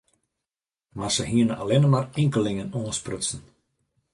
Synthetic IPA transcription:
marsəɦiənəʔalɪnəmarɪŋkəlɪŋənoːə̃nsprøsn̩

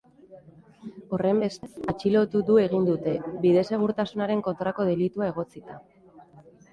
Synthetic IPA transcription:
o̞re̞mbe̞st͡sat͡ʃilo̞t̪ud̪ue̞ɣ̞ind̪ut̪e̞biðe̞se̞ɣ̞uɾt̪asunaɾe̞ŋko̞nt̪ɾako̞ð̞e̞lit̪uae̞ɣ̞o̞t͡sit̪a

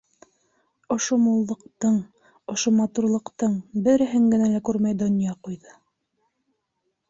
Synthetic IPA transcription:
ŏʃomulˠːɤ̆qt̪ɤɴ | ŏʃomɑt̪uɾlˠɤ̆qt̪ɤɴbɘ̆ɾɘ̆ɦɘŋɡɘ̆nælækʉɾmæjd̪ŏnjɑqujðɤ

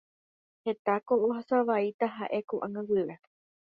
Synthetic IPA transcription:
he̞t̪akoʔohasaʋait̪aɦaʔe̞kuʔã̰ŋãwɨɾe

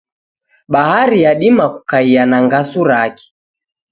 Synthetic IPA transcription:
ɓahaɾijaɗimaku̥kaianaŋɡasuɾaki̥

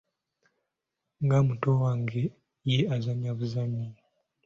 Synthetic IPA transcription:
ŋɡamutowaŋɡe | jeazaɲaβuzaɲi

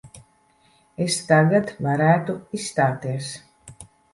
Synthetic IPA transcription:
est̪aɡat̪vaɾæːt̪uisst̪aːt̪iɛs

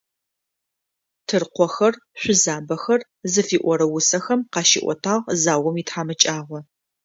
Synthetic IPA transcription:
tʰɨrqʷɔxɐrɕʷʊzaːbɐxɐr | zɨfiːʔʷɔɾɐwʊsɐxɐmqɑːʃḭːʔʷɔ̰tʰaːʁzaːwɔmiːtħaːmɐt͡ʃʼaːʁʷɔ

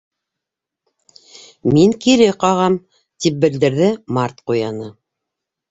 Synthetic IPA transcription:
miŋkiɾɘqɑʁɑm | t̪ip̚bɘ̆ld̪ɘ̆ɾðɘmɑɾt̪qujɑnɤ

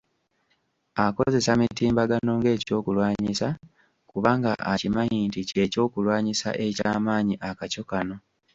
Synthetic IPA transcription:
ako̞ze̞samitiːmbaɡano̞ŋɡe̞ːco̞ːkulwaːɲisa | kuβaŋɡa̰ʔa̰cimajiːntice̞co̞ːkulwaːɲisa̰ʔe̞caːmaːɲiʔakaco̞kano̞

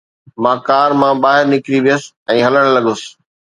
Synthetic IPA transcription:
mãːkaːɾmãːɓaːɦɪɾnɪkɾiʋijəsɪ̥ | ɛ̃ːɦɐləɽ̃lɐɠʊsɪ̥̆

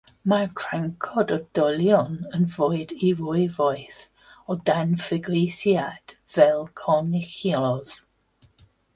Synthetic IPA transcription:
maɹkʰr̥aŋkʰɔdɔdɔlˠjɔnənvoːɨdiɹʊɨvɔɨθ | ɔdanfɪɡɾɪθjad̥vɛlˠkʰɔnɪxilɔð̥

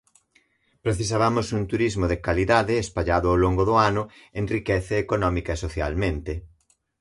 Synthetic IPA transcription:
pɾeθis̬aβamʊsunt̪uɾizmoðekaliðaðɪːspaʎaðʊawloŋɡʊðʊanʊẽnrikɛθeːkonɔmikaesoθja̰lmẽnt̪ɪ

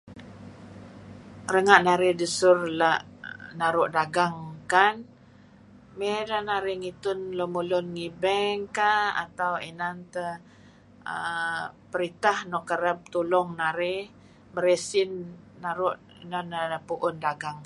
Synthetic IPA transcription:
ɾəŋaʔnaɾedəsʊrlaʔnaɾʊʔdaɡaŋkan | medanaɾeŋit̪ʊnlomulɔnŋibɛŋkaa̰t̪awenant̪ə | ə̰pəɾit̪ahnɔʔkəɾəp̚t̪ulɔŋnaɾe | məɾesinː | aɾʊʔ | nanpuʔʊndaɡaŋ

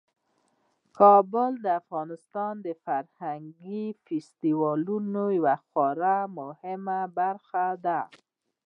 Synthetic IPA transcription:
kɑbʊld̪əafɣɑnɪst̪ɑnd̪əfaɾhaŋɡifɪst̪iwɑlunojawaxwɑɾamʊhɪmabaɾxad̪a

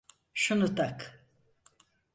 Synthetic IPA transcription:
ʃunut̪ak

